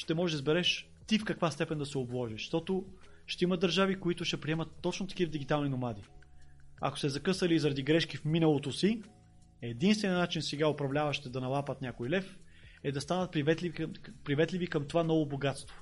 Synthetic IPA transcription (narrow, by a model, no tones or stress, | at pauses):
ʃt̪ɛmɔʒɛd̪ɐzbɛɾɛʃ | t̪ifkɐkvast̪ɛpɛnd̪ɐsɛoblˠɔʒiʃʃt̪ɔt̪o | ʃt̪ɛimɐd̪ɐɾʒavikoit̪ʊʃt̪ɛpɾiɛmət̪ːɔt͡ʃnot̪ɐ̥kivɐd̪iɡit̪alˠninomad̪i | ɐ̰ko̥sɛzɐkɤsɐlizɐɾɐd̪iɡɾɛʃkifminɐlˠot̪osi | ɛd̪inst̪vɛnʲnat͡ʃinsɛɡaopɾɐvlʲavɐʃt̪ɛd̪ɐnɐlˠapət̪nʲakʊilɛfɛd̪ɐst̪anət̪̚pɾivɛt̪lpɾivɛt̪livikɐmt̪ovanɔvoboɡat̪st̪vʊ